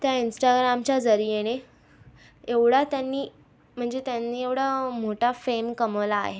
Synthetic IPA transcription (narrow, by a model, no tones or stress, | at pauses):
t̪jainsʈaɡɾamt͡ɕjad͡zəɾijeɽ̃e | eʋɽat̪janːiː | m̤əɳd͡zet̪janːiːeʋɽamoʈʰafemkəmʋla̰ːɦe